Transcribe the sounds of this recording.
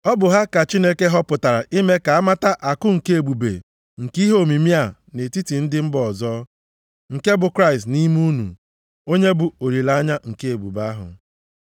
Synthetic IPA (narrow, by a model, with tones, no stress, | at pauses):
ɔ˦bʊ˨ɦa˦ka˨t͡ʃi˦ne˦ke˦ɦɔ˦pʊ˨ta˨ɾa˨ʔi˦me˦ka˨a˦ma˦ta˦ʔa˨kʊ˦ŋ̩˨ke˦e˨bu˨bḛ˨ | ŋ̩˨ki˦ɦo˨mi˨mi˦a˨ | ne˨ti˦ti˨n̩˦dɪ˦m̩˦bɔ˨zɔː˦ | ŋ̩˨ke˦bʊ˨kɾa˦ɪ˨stni˦mu˦nṵ˨ | o˦ɲe˦bʊ˨o˨ɾi˨la˦ɲa˦ŋ̩˨ke˦e˨bṵ˨ba˦ɦʊ̰˨